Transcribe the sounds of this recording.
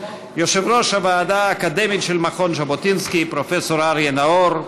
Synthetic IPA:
joʃevɾo̞ʃhavaːdaːkad̪emitʃelmaχonʃabot̪inskipɾofeso̞ɾaɾjenaoɾ

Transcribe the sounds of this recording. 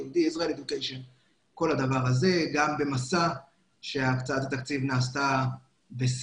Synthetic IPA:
ud̪iisʁaeled̪ukejʃon | ko̞lhad̪avaʁaze̞ɡambe̞masa | ʃe̞akt͡saat̪hat̪akt͡sivnaːst̪a | bes

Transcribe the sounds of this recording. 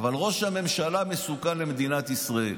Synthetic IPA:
valʁo̞ʃhame̞mʃalame̞sukanlemed̪inat̪isʁaḛl

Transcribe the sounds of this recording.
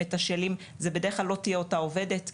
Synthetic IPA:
etaʃelim | zebed̪e̞ʁeχlalːo̞tijeo̞tao̞ve̞de̞t

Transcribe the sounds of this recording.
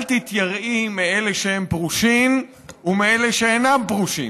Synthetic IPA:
lt̪it̪jaʁʔimeeleʃehempʁuʃim | umeeleʃeenampʁuʃḭ

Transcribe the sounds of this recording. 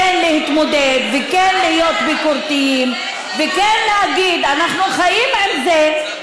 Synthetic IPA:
enlehit̪mod̪ed̪vekenlihijo̞t̪bikuɾt̪ijim | vekenlehaɡid̪anaχnuχajimalze

